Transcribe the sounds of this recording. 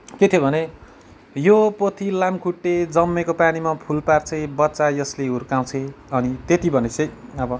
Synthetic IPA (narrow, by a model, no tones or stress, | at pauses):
ket̪ʰjobʱʌne | jopot̪ʰilamkʰuʈːed͡zʌmːekopanimapʰulpart͡sʰʌbʌtːt͡sajʌsleɦurkaw̃t͡sʰeʌnit̪et̪ibʱʌnet͡sʰʌjʌbʌ